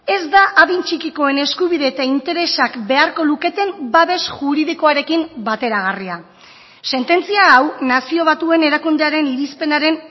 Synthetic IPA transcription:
e̞zd̪aʔaβint͡ʃikiko̞e̞ne̞skuβ̞iðe̞ːt̪aint̪e̞ɾe̞sakbe̞aɾko̞luke̞t̪e̞mbaβe̞sʝuɾiðiko̞aɾe̞kimbat̪e̞ɾaɣ̞aria | se̞nt̪e̞nt͡siaawnasio̞βat̪ue̞neɾakund̪eaɾe̞niɾispe̞naɾe̞n

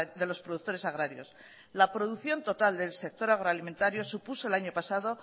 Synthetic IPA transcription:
d̪e̞lo̞spɾo̞ðut̪o̞ɾe̞saɣɾaɾjo̞̰s | lapɾo̞ðuθjo̞nt̪o̞t̪ald̪e̞lse̞k̚t̪o̞ɾaɣ̞ɾoalimẽ̞nt̪aɾjo̞supuso̞elaɲo̞pasaðo̞

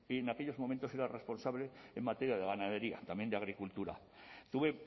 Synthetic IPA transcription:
ienake̞ʎo̞zmomẽnt̪o̞se̞ɾare̞spo̞nsaβleemmat̪eɾjaðeɣanað̞e̞ɾia̰t̪amje̞nd̪eaɣ̞ɾikult̪uɾa̰ | t̪uβe̞

